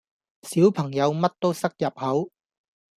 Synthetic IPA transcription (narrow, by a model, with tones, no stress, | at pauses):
siː˨˥wpʰɐ˨˩ŋjɐ˨˧wmɐ˥t̚t̪o˥wsɐ˥k̚jɐ˨p̚hɐ˨˥w